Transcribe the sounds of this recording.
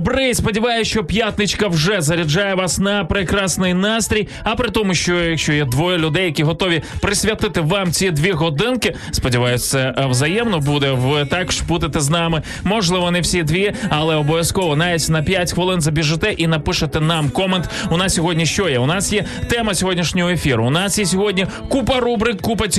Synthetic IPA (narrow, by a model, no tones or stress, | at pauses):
bɾɪspɔdʲiʋɑjʊʃt͡ʃɔpʲjat̪nɪt͡ʃkɐwʒɛzɐɾʲid͡ʒɑjɛʋɑsnɐpɾɪkɾɑsnɪjnɑst̪ʲɾʲij | ɐpɾɪt̪ɔmʊʃt͡ʃɔjɐkʃʲt͡ʃɔjɛd̪ʋɔjɐlʲʊd̪ɛjɐkʲiɦɔt̪ɔʋʲipɾɪsʲʋʲjɐt̪ɪt̪ɪʋɑmt͡sʲid̪ʲʋʲiɦɔd̪ɪnkɪ | spɔdʲiʋɑjʊt̪sɛwzɐjɛmnɔbud̪ɛʋɪt̪ɑkʃbut̪ɪt̪ɛznɑmɪ | mɔʒlˠɪʋɔnɛwsʲid̪ʲʋʲiɐlˠɛɔbɔʋʲjɐskɔʋɔnajit͡sʲnɐpʲjatʲxʋɐlˠɪnzɐbʲiʒɪt̪ɛʔinɐpɪʃɐt̪ɛnɑmkɔment̪ʊnɑssʲɔɦɔdʲnʲiʃt͡ʃɔjɛʊnɑsjɛ | t̪ɛmɐsʲɔɦɔdʲnʲiʃnʲɔɦɔefʲiɾʊ̰ʊnɑsjɛsʲɔɦɔdʲnʲi | kupɐɾubɾɪkːupɐtʲ